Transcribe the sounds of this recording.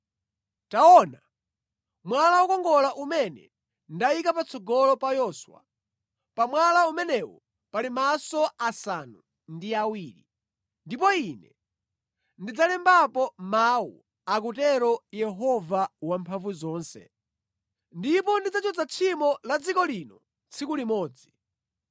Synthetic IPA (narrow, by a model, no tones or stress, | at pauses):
taɔna | mwalawɔkɔŋɡɔlaʔumɛnɛ̰ | ndaikapat͡sʰɔɡɔlɔpajɔswa̰ | pamwalaumɛnɛwɔ̰ | palimasɔasanu | ndiawiːɾḭ | ndipɔinɛ | ndid͡zalɛmbapɔmaṵ | ak̬utɛɾɔjɛɦɔvawampʰaɱvuzɔːnsɛ̰ | ndipɔndid͡zat͡ʃʰɔd͡zat͡ʃʰimɔlad͡zikɔlinɔ | t͡sʰikulimɔːd͡zi